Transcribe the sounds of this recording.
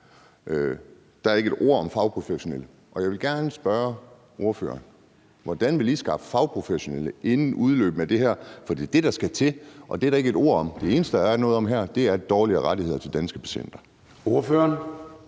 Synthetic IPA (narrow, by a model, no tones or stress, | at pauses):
ʔø | d̥ɑ̈æɐe̝ɡəed̥o̝ɐ̰ɒ̽mfɑ̈ʊpʰʁo̝feɕo̝nelə | ʔɒ̽jɑ̈ɪʋelɡ̥æɐnəsb̥ɶɐ | ʔo̝ɐfø̰ːɐn | ʋɒd̥ænʋe̝lisɡ̥ɑ̈fəfɑ̈ʊpʰʁo̝feɕo̝neləʔe̝nn̩ʔuð̞ˠlø̰ːb̥n̩æd̥e̝ɦæɐ̰fɒ̽d̥ḭːd̥e̝ɾ̥ɑ̈sɡ̥æt͡sʰe̝ʔɒ̽d̥eɾɑ̈e̝ɡəe̝d̥o̝ɐ̰ɒ̽md̥e̝e̝ːnəsd̥ədɑnɔ̽ːð̞̩ˠɒ̽mɦæɐ̰d̥e̝æɐd̥ɒːliɐʁɑɾihe̝ð̰ˠɐt͡sʰe̝ld̥ænsɡ̥əb̥e̝̥ɕḛn̰d̥ɐ | oɐføɐn